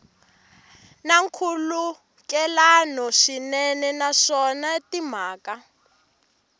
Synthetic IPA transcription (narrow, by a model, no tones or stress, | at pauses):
naŋkʰulu | kɛlanɔʂinɛnɛnaʂɔnatim̤aːka